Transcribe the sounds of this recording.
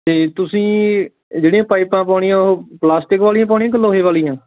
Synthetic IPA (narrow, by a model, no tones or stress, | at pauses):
t̪eːt̪ʊsĩː | d͡ʒeːɽẽãːpaːɪpãːpaːɽ̃iːãːɦoplaːsʈɪkʋaːlijãːp̬aːɳĩãːk̬əlːoːɦeːʋaːlijãː